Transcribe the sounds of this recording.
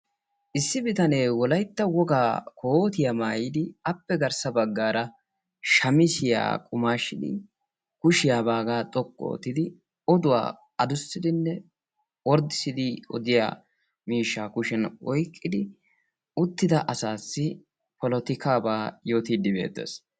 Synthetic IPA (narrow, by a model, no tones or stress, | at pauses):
ʔɪsːɪbɪt̪ɐneːwɔlɐjt̪ːɐwɔɡaːkʰoːt̪ɪjamaːjɪd̪ɪɐpːɛɡɐɾsɐbɐɡːaːɾɐ | ʃɐmɪsɪja̰ːkʼʊmaːʃːɪd̪ɪ̰ | kʊʃɪjaːbaːɡaːt̪ʼɔkʼːo̰ːt̪ːɪd̪ɪ | ɔd̪ʊwa̰ː | ɐd̪ʊsːɪd̪ɪnːɛ | wɔɾd̪ɪsɪd̪ɪɔ̰d̪ɪja̰ː | miːʃːaːkʊʃɛnʔɔjkʼːɪd̪ɪ | ʊt̪ːɪd̪ɐʔɐsaːsːɪ | pɔlɔt̪ɪkaːbaːjo̞ːt̪iːd̪ːɪbe̞̰ːt̪ːḛːs